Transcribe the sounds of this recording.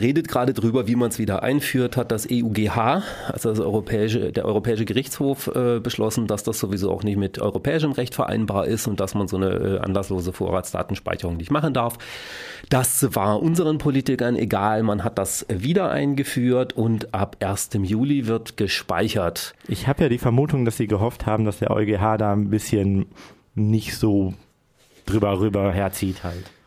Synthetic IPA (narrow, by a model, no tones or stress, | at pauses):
ʁeːdət̚ɡ̥ʁaːdədʁyːbɐviːmansv̥iːdɐʔa̰ɪnfyːɐthat̚d̥asʔeːʔuːɡeːhaːʔa̰lzodasʔɔʏʁopʰɛːɪʃədeːɐʔɔʏʁopʰɛːɪʃəɡəʁɪçt͡shoːfʔɛːbəʃlɔsn̩d̥asd̥asz̥ovizo̰ːʔa̰ʊxnɪçtmɪtʰʔɔ̰ʏʁopʰɛːɪʃ̬əmʁɛçtfɛɐʔa̰ɪnbaːɐʔɪstʊnt̚d̥asmanzoːnə̰ʔɛ̰ːʔa̰nlasloːzəfoːɐʁaːtsd̥a̰ːtn̩ʃpa̰ɪçəʁʊŋnɪçtmaχn̩daɐf | d̥asvaːɐʔʊnzəʁ̞ənpʰoliːtɪkɐnʔḛɡaːlmanɦat̚d̥asviːdɐʔa̰ɪnɡəfyːɐtʊntʔapʔeːɐstəmjuːlivɪɐtɡ̥əʃpa̰ɪçɐtʔɪçhaːbəjaːdiːfɛɐmuːtʊŋd̥asz̥iːɡəɦɔfthaːbm̩dasd̥eːɐʔɔ̰ʏɡeːɦaːdaːnbɪsçənː | ɪçtz̥oː | d̥ʁyːbɐʁyːbɐɦeːɐt͡siːthalt